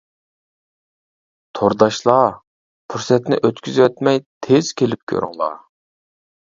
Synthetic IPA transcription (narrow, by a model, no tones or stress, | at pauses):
t̪ʰoɾd̪ɑʃlˠɑ | pʰuɾsɛt̪nɪ̰ʔøt̪kʲyzwɛt̪mɛjt̪ʰez̥kʲelɪp̚kʲʰø̰ɾ̰ŋlˠɑ̰